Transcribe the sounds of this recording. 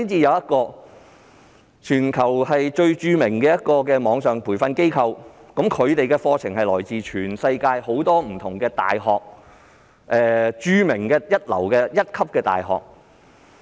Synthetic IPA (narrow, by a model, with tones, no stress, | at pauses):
siː˥nt͡siː˧jɐ˨˧wjɐ˥t̚kɔː˧ | t͡ʃʰyː˨˩nkʰɐ˨˩whɐ˨jt͡ʃɵ˧ɥt͡ʃyː˧mɪ˨˩ŋkɛː˧jɐ˥t̚kɔː˧kɛː˧mɔː˨˧˥ŋsœː˨ŋpʰuː˨˩jfɐ˧nke˥jkʰɐ˧wkɐ˨˥mkʰɵ˨˧ɥt̪e˨jkɛː˧fɔː˧t͡sʰɪ˨˩ŋhɐ˨jlɔ̰ː˨˩jt͡siː˨t͡ʃʰyː˨˩nsɐ˧jkaː˧jho˨˥wt̪ɔː˥m̩˨˩t̪ʰʊ˨˩ŋkɛː˧t̪a̰ː˨jɦɔː˨k̚ | ʔɛː˨t͡ʃyː˧mɪ˨˩ŋkɛː˧jɐ˥t̚lɐ̰˨˩wkɛː˧jɐ˥t̚kʰɐ˥p̚kɛː˧t̪a̰ː˨jɦɔ̰ː˨k̚